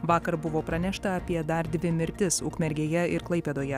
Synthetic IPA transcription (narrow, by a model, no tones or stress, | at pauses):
ʋɑːkɐɾbʊʋoːpɾɐnʲɛʃt̪ɐɐpʲiɛd̪ɐɾd̪ʲʋʲɪmʲɪɾʲt̪ʲɪsʊ̰kmʲɛɾʲɡʲeːjɛɪɾklˠɐɪpʲeːd̪oːjɛ